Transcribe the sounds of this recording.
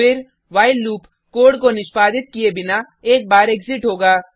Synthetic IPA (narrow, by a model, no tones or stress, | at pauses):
ɪɾ | ʋaːɪlːuːp | koːɽkonɪʃpaːd̪ɪt̪̚kiebɪna | eːk̚baːɾeːkzɪʈɦoːɡaː